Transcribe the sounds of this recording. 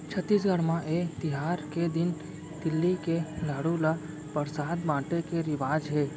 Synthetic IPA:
t͡ʃʰət̪ːiːs̬ɡʱəɽmãʔet̪ɪɦaːɾked̪ɪn | d̪̥ɪlːikelaːɽula | pəɾsaːd̪bãːʈekeɾɪʋaːd͡ʒɦeː

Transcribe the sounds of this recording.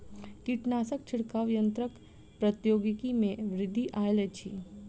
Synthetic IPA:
kiʈnaːsək̚t͡ʃʰɪɽkaʋjənt̪ɾək | pɾɐt̪joːɡikimẽʋɾɪd̪ʱːiʔaːjlet͡ʃʰḭ

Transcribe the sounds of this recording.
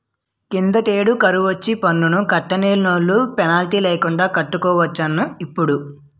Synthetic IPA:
kind̪ɐʈ̪eːɽukɐɾuʋɐt͡ʃːipɐnːunukɐʈːɐneːlnoːɭːupɛnaːlʈiːleːkuɳɖaːkɐʈːukɔːʋɐt͡ʃːɐnːuipːuɽu

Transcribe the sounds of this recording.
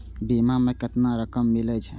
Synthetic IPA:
bimamekət̪naɾəkəmːilɛt͡ʃʰɛ

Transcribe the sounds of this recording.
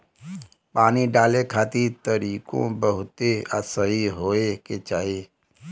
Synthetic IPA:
paːniɖaːlekʰaːt̪it̪əɾiːkõ̰bəɦʊt̪eə̰səɦiɦoːeket͡ʃaːɦie

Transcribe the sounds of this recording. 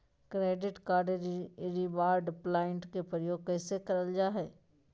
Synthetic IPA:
kɾeːɖɪʈkaːɾɖɾiʋaːɾɖplaːɪɳʈkepɾəjoːɡ̚kɛːsekɐɾəld͡ʒaːɦɛː

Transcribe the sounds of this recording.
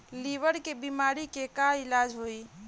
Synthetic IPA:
liʋəɽkebimaɾikekailad͡ʒɦoi

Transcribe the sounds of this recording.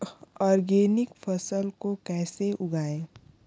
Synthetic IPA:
ɔːɾɡeːnɪkpʰəsəlkokɛːseʔʊɡaːe

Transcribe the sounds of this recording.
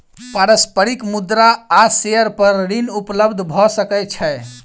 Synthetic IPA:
paɾəspəɾikmud̪ɾaːseəɾpəɾɾinupləbd̪ʱbʱɔsəkɛt͡ʃʰɛ

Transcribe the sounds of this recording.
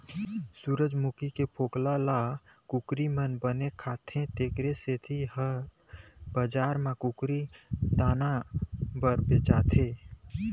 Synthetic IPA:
suːɾəd͡ʒmukikepʰoːklala | kʊkɾimənbənekʰaːt̪ʰẽt̪eːkɾeset̪ʰiɦə | bəd͡ʒaːɾmãkʊkɾid̪aːnabəɾbet͡ʃaːt̪ʰẽː

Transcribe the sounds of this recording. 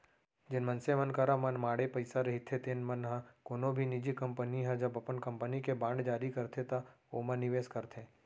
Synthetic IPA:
d͡ʒɪnmɐnsemənkəɾamɐnmaːɽepɐɪsaɾɐɦit̪ʰet̪ʰenmɐnɦãkoːnõbʱinid͡ʒikɐ̃mpəniɦɛ̃d͡ʒɐbɐpənkɐ̃mpənikebãːɳɖd͡ʒaːɾikɐɾt̪ʰet̪a | omənːɪʋeːskɐɾt̪ʰẽː

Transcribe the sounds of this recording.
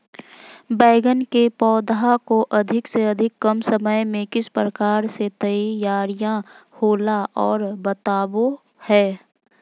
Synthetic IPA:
bɛːɡənkepɔːd̪akoʔɐd̪ʱɪkseɐd̪ʱɪkːəmsəməjmẽkɪspɾəkaːɾset̪əjaːɾijã | hoːlaʔɔːɾbət̪aːwo | hɛː

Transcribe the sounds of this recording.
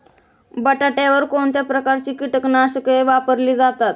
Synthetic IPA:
bəʈaʈaʋəɾkoɳt̪japɾəkaɾt͡ɕiːkiʈəknaɕəkeʋapəɾliːd͡zat̪at̪

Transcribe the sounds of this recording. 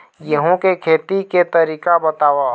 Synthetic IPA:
jəɦõkekʰeːt̪iket̪ɐɾiːkabɐt̪aːwa

